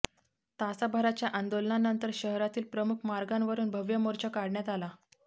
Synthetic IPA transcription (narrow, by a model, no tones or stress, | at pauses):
t̪asabʱaɾat͡ɕjaʔand̪olnanənt̪əɾɕəɦɾat̪iːlpɾəmukʰmaɾɡãnʋəɾuːnbʱəʋjəmoɾt͡ɕakaɽɳjat̪ala